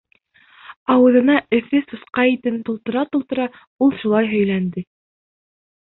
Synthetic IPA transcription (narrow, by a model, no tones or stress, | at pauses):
ɑwɤ̆ðɤ̆nɑɘ̆θɘsɤ̆sqɑit̪ɘnt̪ŏlˠt̪ɤ̆ɾɑt̪ulˠt̪ɤ̆ɾɑ | ulˠʃulˠɑjɦɵ̆jlænd̪ɘ